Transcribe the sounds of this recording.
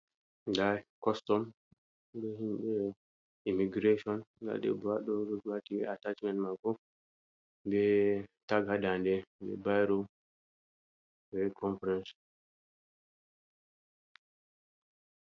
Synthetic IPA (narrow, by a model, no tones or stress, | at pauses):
dakɔstɔm | bɛhimɓɛ | imiɡɾeʃɔnda̰ɗɛ̰baɗɔɾɔd͡ʒwatiɛatat͡ʃmɛ̃ntmakɔ | bɛtaɡhadandɛbɛ̰bajɾɔ | bɛkʰɔnfɾɛns